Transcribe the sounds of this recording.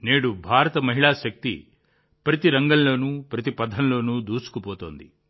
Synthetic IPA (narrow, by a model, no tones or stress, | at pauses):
neːɽubʱaːɾɐt̪ɐmɐɦiɭaːʃɐk̚t̪ḭ | pɾɐt̪iɾɐŋɡɐnlo̞ːnuːpɾɐt̪ipɐd̪ʱːɐnlo̞ːnuːd̪uːsu̥kupɔːt̪oːnd̪ḭ